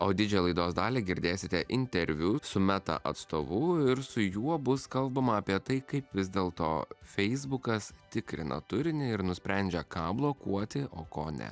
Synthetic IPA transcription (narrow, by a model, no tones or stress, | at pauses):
oːd̪ʲɪd͡ʒʲɛjɛlˠɐɪd̪oːsd̪ɑːlʲeɡʲɪɾʲd̪ʲeːsʲɪt̪ʲɛʔɪnʲt̪ʲɛɾʲʋʲʊsʊmʲæt̪ɐ̰ʔɐ̰t̪st̪oːʋʊɪɾsʊjuɔbʊskɐlˠbɐmɐːpʲiɛt̪ɐɪkɐɪpʋʲɪzʲd̪ʲeːlˠt̪o̰ːfʲɛɪzbʊkɐst̪ʲɪkɾʲɪ̰nʔɐ̰t̪ʊɾʲɪnʲɪɪɾnʊsʲpʲɾʲɛnʲd͡ʒʲɛkɑːblˠoːkuɔt̪ʲɪʔoːkoːnʲɛ̰